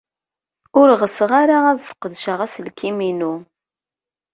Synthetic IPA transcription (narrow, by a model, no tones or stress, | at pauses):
ʊɾʁəsʁaɾaæðsə̥qːðʃəʁæsəlkiminu